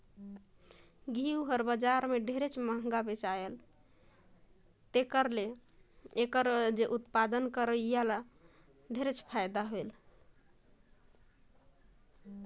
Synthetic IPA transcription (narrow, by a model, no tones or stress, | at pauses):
ɡʱiuɦəɾbəd͡ʒaɾmeɖʱeɾet͡ʃʰməŋɡabet͡ʃael | t̪ekəɾle | ekəɾd͡ʒeʔut̪pad̪ənkəɾəjala | ɖʱeɾet͡ʃʰpʰajd̪aɦoel